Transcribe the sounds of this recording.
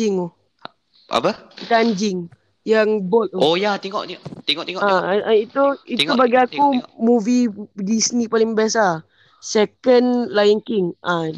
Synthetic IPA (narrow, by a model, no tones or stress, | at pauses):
iŋɔ | a̰pət̪and͡ʒɪŋ | jaŋbɔt̪̚ɔojat̪iŋɔ̰ʔt̪it̪eŋɔʔt̪iŋɔaait̪uit̪t̪ubaɡiakumuvidisnipalɪŋbiasa | sɛkənlajənkiŋʔa